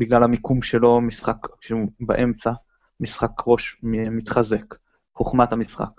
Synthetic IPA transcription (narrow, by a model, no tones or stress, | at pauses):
biɡlalamikumʃelo̞misχakʃuba̰ʔe̞mt͡sa | misχakʁo̞ʃmmit̪χaze̞k | χoχmathamisχa̰k